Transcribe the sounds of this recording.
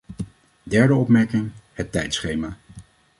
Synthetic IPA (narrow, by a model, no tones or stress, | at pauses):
dɛɹdəɔpmɛɹkɪŋhətːɛjtsχejmaː